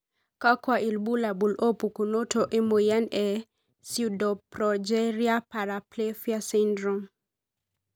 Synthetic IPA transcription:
ka˦kwa˨ʔi˨lbu˦la˨bu˨lo˦pu˨ku˨no˦tʰo˨ʔɛ˦mo˨ja˦nɛ˨ | sudɔ˨pɾɔd͡ʒɛɾia˦pa˨ɾaple˦fjasindɾɔ˨m

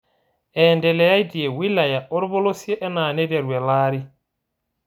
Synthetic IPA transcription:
ɛ˨ndɛ˨lɛ˨ja˦jdi˨je˨wi˦la˨ja˨ʔɔ˦ɾbo˦lo˦si˦e˦ʔɛ˦na˨nɛ˦dɛ˨ɾwɛ˨laː˦ɾi˦

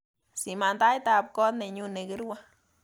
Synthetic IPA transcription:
si˨ma˨nd̪a˦jt̪a˧b̚ko˦d̪ne˨ɲu˧ne˨ɡɨ˦ɾwa˦

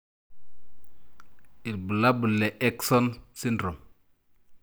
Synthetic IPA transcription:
i˨lbu˨la˦bu˨lːe˨ʔɛ˦kso˦nsi˦ndɾo˨m

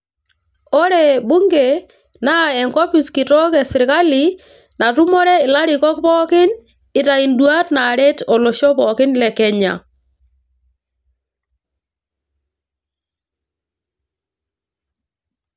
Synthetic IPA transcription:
ɔ˦ɾɛ˦˨bu˦ŋɡe˨ | na˦˨ɛ˨ŋkɔ˦pi˨ski˨tɔ˦kɛ˨sɪ˨ɾka˦li˨ | na˨tu˦mɔ˦ɾɛ˦ɪ˨la˦ɾi˨kɔ˦k̚pɔ˦kɪ˦n | ɪ˨ta˨i˨ndwa˦tna˨ɾɛ˦tɔ˨lo˨ʃɔ˦pɔ˨kɪ˦nlɛ˨kɛ˨ɲa̰˨

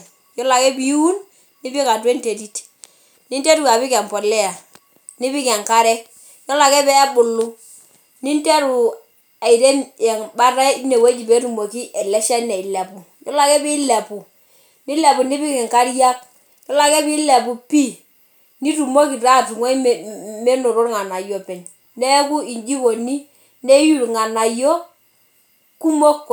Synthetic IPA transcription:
jɔ˦la˨kɛ˦bi˨˦u˦n | ni˦bi˦ka˨te˦nte˨ti˦t | ni˦nte˦ɾu˨ka˨bi˦kɛ˨mpɔ˨lɛ˦a˨ | ni˦bi˦kɛ˨ŋka˦ɾɛ˦k̚ | jɔ˦la˨kɛ˦bɛ˦bʊ˨lːu˦ | ni˦nte˦ɾu˨ | a˨i˨de˦njɛ˨ŋba˦ɾa˦ne˨we˦d͡ʒi˨be˦ɾu˨mo˨ki˦ʔɛ˨lɛ˦ʃa˦nɛ˨i˨lɛ˨pu˨ | ɲɔ˦la˨kɛ˦bɪ˦lɛ˨pu˨ | ni˦lɛ˨bu˨ni˦bi˦kɪ˨ŋka˦ɾja˦k̚ | ɲɔ˦la˨kɛ˦bi˦lɛ˨pu˨pi˦˨ | ni˦tu˨mo˦ki˨ɾa˦˨tu˨ŋɔ˦˨me˦no˨ɾo˦ɾŋa˨na˨jɔ˨pɛ˨ɲ | nɛ˦ku˦i˨nd͡ʒi˦bo˨ni˦ | ne˦ju˦˨ŋa˨na˨jɔ˦ | ku˦mo˦k

